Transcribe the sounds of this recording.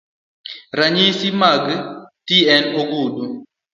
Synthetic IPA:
ɾaɲisimaɡətiɛnoɡudu

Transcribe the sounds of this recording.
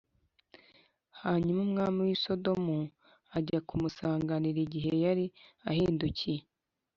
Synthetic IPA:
haɲumumŋaːmiwiso̞do̞mu | aɟakumusaːŋɡaniɾiɟiɦe̞jaɾiahiːnduce

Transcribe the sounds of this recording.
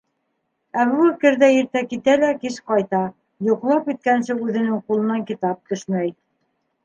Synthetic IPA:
æβuækɘ̆ɾðæjiɾt̪ækit̪ælækiʃqɑjt̪ɑ | juqlˠɑpit̪̚kænsɘʉðɘ̆nɘŋqulˠɤ̆nɑŋkit̪ɑp̚t̪ɵ̆ʃmæj

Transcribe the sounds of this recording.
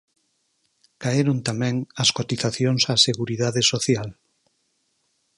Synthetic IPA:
kaeɾont̪amɛ̃ŋɐskot̪iθaθjoŋsaseɣuɾiðaðesoθjal

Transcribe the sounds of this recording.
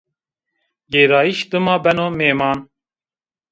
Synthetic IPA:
ɡeːɾɑːiʃd̪ɨmɑːbɛnoːmeːmɑːn

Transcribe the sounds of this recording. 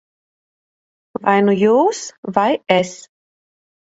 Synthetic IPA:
vajnujoːsvajɛs

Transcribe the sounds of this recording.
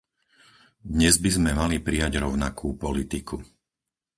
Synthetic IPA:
d̪ɲɛzbizmɛmalipɾijaɟɾɔʊnakʰuːpɔlit̪ikʰu

